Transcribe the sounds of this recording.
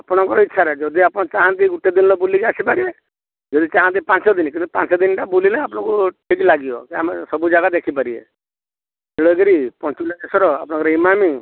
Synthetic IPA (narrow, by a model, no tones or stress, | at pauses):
apɔɽ̃ɔŋkɔɾɔitːʃʰaɾed͡ʒɔd̪iapɔɽ̃ɔt͡ʃaɦãt̪iɡuʈed̪inlɔbulikiasipaɾie | d͡ʒɔd̪it͡ʃãɦãt̪ipãt͡ʃɔd̪inkĩnt̪ipãnt͡ʃɔd̪inʈabulilajapɔɽ̃ɔ̃kuʈʰiklaɡijɔ̰kiamesɔbud͡ʒaɡad̪ekʰipaɾiḛ | eɭoɡeɾipɔnt͡ʃilakesɔɾɔa̰pɔɽ̃ɔ̃kɔɾɔimami